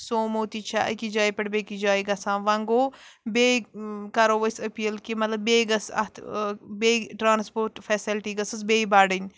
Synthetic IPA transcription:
soːmoːt̪it͡ʃʰaʔɐ̰kid͡ʒaːipɐɽbeːkid͡ʒaːiɡɐsãːʋɐŋɡoːbeːkɐɾoʋɐsɐpiːəlkimɐt̪lɐbːeːɡɐsɐ̰t̪ʰbeːʈɾaːnspoːɾʈfʰɛːsilʈiɡɐsɐsbeːibaːɖənʲ

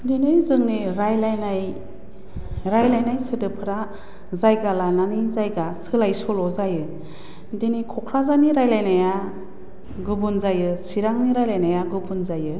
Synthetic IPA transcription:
dinɯjzɯŋniɾajlajnaj | ɾajlajnajsɯtɯpʰɯɾa | zajɡalananizajɡasɯlajsɔlɔzajɯ | dinikʰɔkʰɾazaniɾajlajnaja | ɡɯbunzajɯsiɾaŋniɾajlajnajaɡɯbunzajɯ

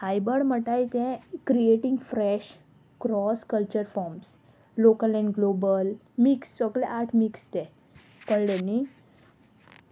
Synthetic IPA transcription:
hajbəɽm̤əʈajt̪ɛ̃kɾieʈĩŋɡfɾɛɕ | kɾɔskəlt͡ɕəɾfɔɾms | lokəlɛ̃ɳɡlobəl | mikssəɡlɛʔaʈʰmikst̪ɛ̃ | kəɭɽeni

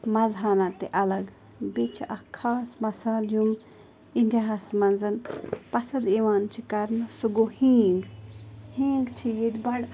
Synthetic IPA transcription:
mɐzaːnat̪eʔɐlɐɡ | bet͡ʃʰiʔɐkʰːaːsmɐsaːljum | ind̪ʲaɦasmɐnzɐnpɐsɐd̪eʋaːnt͡ʃʰikɐɾnɨsuɡohĩːŋɡhĩːŋɡt͡ʃʰijed̪ʲbɐɽ

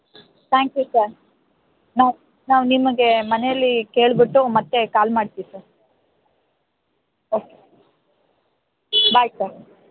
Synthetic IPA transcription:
t̪ʰaːŋkjusɐɾ | naʋ | naːʋnimɐɡe̞mɐnejɐlːike̞ːɭbiʈːumɐt̪ːe̞kaːlmaːɖt̪iʋisɐɾ | oːke | baːjsɐɾ

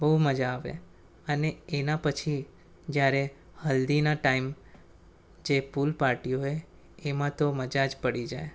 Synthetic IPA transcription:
bəɦuməd͡ʒaːʋḛ | əneenapət͡ʃʰi | d͡ʒjaɾe | həld̪inaʈaim | d͡ʒepulpaɾʈijoeː | mãt̪oməd͡ʒad͡ʒpəɽid͡ʒaj

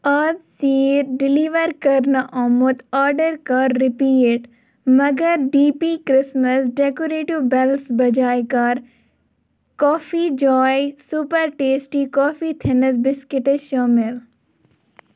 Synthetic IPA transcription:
ɐzsiːɾɖɪliʋəɾkɐɾnɐʔɔːmot̪aːɾɖəɾkɐɾːɪpiːeʈ | mɐɡəɾɖiːpikɾɪsməsɖekoɾeːʈiʋbɛlsbɐd͡ʒaːjkɐɾ | kɔːfid͡ʒɔːjsupəɾʈeːsʈikɔːfit̪ʰɛnəsbɪskɪʈəʃɔːmɪl

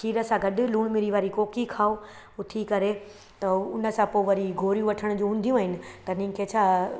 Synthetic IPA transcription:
ʃiːɾəsãɡɐɗʊ̆luːɽ̃mɪɾiʋaːɾikoːkikʰaːo | ʊt̪ʰikɐɾe | t̪ɐʊnə̆sãpoːʋɐɾiɡʱoːɾjũʋɐʈʰəɽ̃ʊ̆d͡ʑũːɦũːn̆d̪ijũaːɦɪnɪ̆t̪ɐnĩkʰet͡ɕʰaː

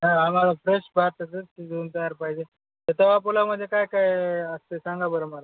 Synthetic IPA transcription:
ɦãam̤alafɾeɕbʱat̪əd͡zət̪id͡zoːnt̪əjaɾpaɦid͡ʑe | t̪at̪aʋapulam̤əd̪ʱjekajkajəst̪esãŋɡabəɾəməla

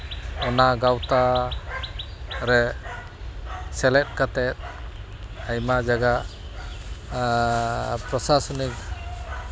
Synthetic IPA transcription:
ɔnaɡawt̪a | ɾɛ | sɛlɛt̪̚ˀkat̪ɛt̪̚ | ajmad͡ʒaɡa | pɾɔsasɔnik̚

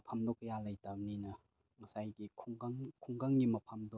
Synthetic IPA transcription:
pʰamdɔkːɐjalajtawninɐ | ŋɐsajɡikʰuŋɡaŋkʰuŋɡaŋɡimɐpʰamdo

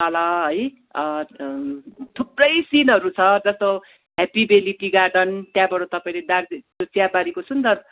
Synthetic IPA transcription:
ʌlʌɦʌj | t̪ʰuprʌjsinɦʌɾut͡sʰʌd͡zʌst̪o | ɦepibeliʈiɡarɖʌnt̪jãbʌɽot̪ʌpaĩled̪arit̪ot͡sjabaɾikosund̪ʌr

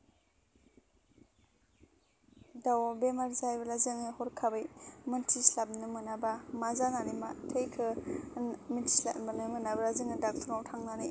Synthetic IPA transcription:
dawbemaɾzajbɐlazɯŋɯhɔɾkʰabɯjmɯntʰislap̚nɯmɯnabamazananimatʰejkʰɯ | mintʰi̥sla̰pbanɯmɯnabalazɯŋɯdak̚tʰɔɾnawtʰaŋnaɾi

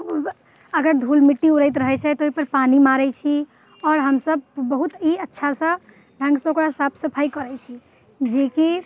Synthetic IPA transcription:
əɡəɾd̪ʱulmiʈːiuɾəjt̪ɾəɦɛt͡ʃʰɛt̪ɔoipəɾpanimaɾɛt͡ʃʰi | ɔːɾɦəmsəbːəɦut̪iətːʃʰasə̃ | ɖʱə̃ŋɡsə̃okɽasapʰsəpʰajkəɾɛt͡ʃʰi | d͡ʒeki

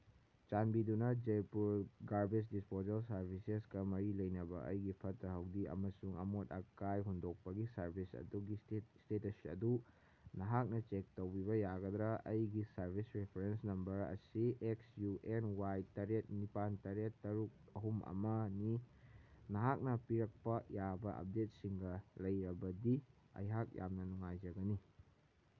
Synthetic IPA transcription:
t͡ʃanbidunɐd͡ʒejpuɾɡaɾbes̬dispozɐlsɐɾbʱisesɡɐmɐɾilɐjnɐbɐʔɐ̰jɡipʰɐtɾɐɦɐwdiɐ̰mɐsuŋɐ̰motɐkajɦundok̚pɐɡisɐɾbʰʱisɐ̰duɡistetɐsiɐ̰du | nɐɦak̚nɐt͡ʃek̚tɐwbiβɐjaɡɐd̪ɾɐɐjɡisɐɾbʱisɾepʰeɾensnɐmbɐɾɐ̰sieksjuʔenwajtɐɾet̚nipantɐɾetːɐɾuk̚ɐɦumɐ̰mɐni | nɐɦak̚nɐpiɾɐk̚pɐjabɐʔɐ̰p̚det̚siŋɡɐlɐjɾɐbɐdi | ɐ̰jɦak̚ja̰mnɐnuŋajd͡ʒɐɡɐni

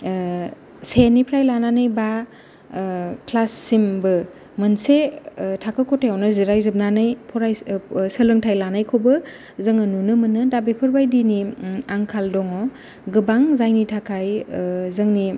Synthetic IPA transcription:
senipʰɾajlananɯjba | kʰlasːimbɯ | mɯnsetʰakʰɯkʰotʰejawnɯziɾajzɯp̚nanɯjpʰɔɾajsəlɯŋtʰajlanajkʰobɯ | zɐŋɯnunɯmɯnɯdabepʰɯɾbajdiniaŋkʰaldɔŋɔ | ɡɯbaŋzajnitʰakʰajzɯŋni

